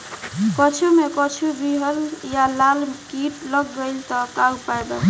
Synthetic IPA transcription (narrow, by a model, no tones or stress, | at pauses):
kət͡ʃʰumekɔt͡ʃʰubiɦəljalalkiʈləɡːəɪlt̪ɔt̪aupajd̪a